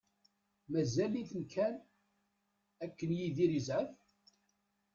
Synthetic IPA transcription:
mæzæliθənkʰæn | ækːənjiðiɾəzʕəf

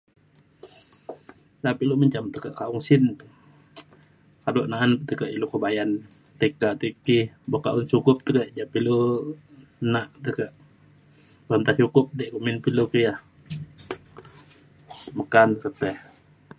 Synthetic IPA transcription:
t̪apiʔluməɲt͡ʃamt̪əkəʔkaʔuŋsin | kadɔʔnaʔant̪əkəʔilukəbajan | t̪əkaʔt̪iki | bɔkaʔuŋsukʊp̚t̪əkəʔd͡ʒapilu | naʔt̪əkəʔ | bənt̪at͡ʃukʊp̚dɛʔkuminpilukijah | məkankət̪ɛh

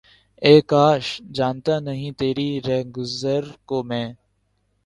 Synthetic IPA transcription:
eːkaːʃd͡ʒaːnt̪aːnəɦĩːt̪eːɾiːɾɛɦɡʊzəɾkoːmɛ̃ː

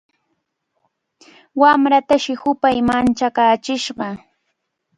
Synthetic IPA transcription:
wamɾat̪aʃɪhʊpajmant͡ʃakaːt͡ʃɪʃɢɑ

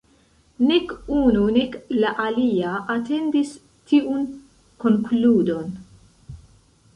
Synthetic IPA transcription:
nɛkːuːnunɛkːlɐʔɐliːɐʔɐt̪ːɛnd̪is | t̪ʰiːʔun | kɔŋkluːd̪ɔn

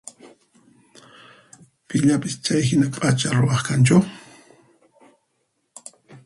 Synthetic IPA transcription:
pɪʎapɪst͡ʃajɦɪnapʼat͡ʃaɾʊwɑχkant͡ʃʊ

